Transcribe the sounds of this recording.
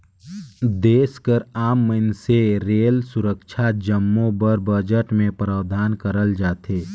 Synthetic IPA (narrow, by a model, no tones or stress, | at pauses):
d̪eːskəɾaːmːənseɾeːlsʊɾəkʃʰad͡ʒəmːõbəɾbəd͡ʒəʈmẽpɾaːʋd̪ʱaːnkəɾəld͡ʒaːt̪eː